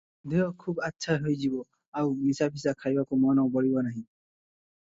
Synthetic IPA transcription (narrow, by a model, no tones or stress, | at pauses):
d̪ʱeɔkʰubatːsʰajɦojzibɔ | awmisapʰisakʰajbakomɔnɔʊbɔɹibɔnaɦĩ